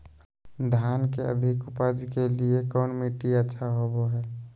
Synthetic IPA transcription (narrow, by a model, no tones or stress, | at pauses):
d̪ʱaːnkeə̰d̪ʱɪkʊpəd͡ʒkeliekɔːnmiʈiətːʃʰaɦoboɦɛː